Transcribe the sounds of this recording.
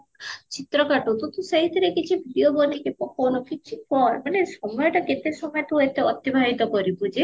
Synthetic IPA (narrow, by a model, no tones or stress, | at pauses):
t͡ʃit̪ɾɔkaʈut̪ut̪ũsaɦit̪ɾekit͡ʃʰibʱiɖiobɔnikepɔkʰɔwnɔkit͡ʃʰifɔɾmanesɔmɔjɔʈaket̪esɔmɔjɔt̪uet̪eɔt̪jibʱaɦit̪ɔkɔɾipud͡ʒe